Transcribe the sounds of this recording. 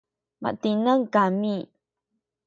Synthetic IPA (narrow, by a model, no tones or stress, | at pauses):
ma̰ʔt̪inəŋkami